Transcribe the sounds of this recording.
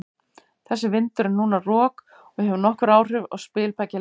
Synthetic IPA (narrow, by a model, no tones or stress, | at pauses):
θɛsːɪvɪnt̪ʏɾɪnuːnarɔːk | ɔɣhɛvnɔhkʏɾaːwr̥ɪva̰ɣspɪːlpaca